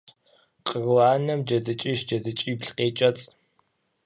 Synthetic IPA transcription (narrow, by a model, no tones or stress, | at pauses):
qərwaːnɐmd͡ʒɐdɨt͡ʃʼiːʃd͡ʒɐdɨt͡ʃʼiːpɬqeːt͡ʃʼɐt͡sʼ